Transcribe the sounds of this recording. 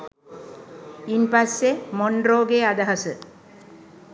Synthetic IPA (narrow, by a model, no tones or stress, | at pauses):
impasːemoɳɖroːɡead̪aɦasə